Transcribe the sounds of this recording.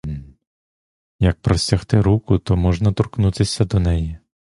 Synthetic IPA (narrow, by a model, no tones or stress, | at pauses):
jɐk̚pɾɔsʲɐxt̪ɪɾukʊt̪ɔmɔʒnɐt̪ɔrknut̪ɪsʲɐd̪ɔnɛji